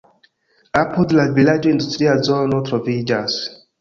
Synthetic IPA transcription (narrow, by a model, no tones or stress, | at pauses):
apudlavilad͡ʒoĩndust̪ɾiazɔnɔtɾɔvid͡ʒas